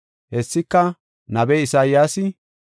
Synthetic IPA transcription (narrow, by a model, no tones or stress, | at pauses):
hɛsːɪkːɐ | nɐbɛɪsaːjaːsɪ